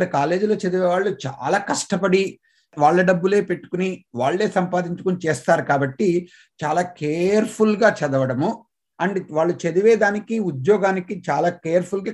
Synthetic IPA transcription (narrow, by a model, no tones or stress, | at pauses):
ɾikaːle̞ːd͡ʒulo̞ːt͡ʃɐd̪iʋɛːʋaːɭːut͡ʃa̰ːlaːkɐʂʈɐpɐɽi | ʋaːɭːɐɖɐbːule̞ːpe̞ʈːu̥kuniʋaːɭːe̞ːsɐmpaːd̪iɲt͡ʃu̥kunit͡ʃeːst̪aːɾukaːbɐʈːi | t͡ʃaːlaːkeːɐɾpʰulɡaːt͡ʃɐd̪ɐʋɐɽɐmu | ɐɳɖiʋaːɭːut͡ʃɐd̪iʋeːd̪aːnikiud̪jɔːɡaːnikit͡ʃaːlaːkeːjɐɾpʰulɡaː